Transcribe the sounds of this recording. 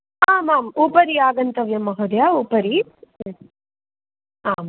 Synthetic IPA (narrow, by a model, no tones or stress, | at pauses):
aːmaːmuːpɐɾiaːɡɐnt̪ɐʋjɐmɐɦod̪jauːpɐɾi | aːm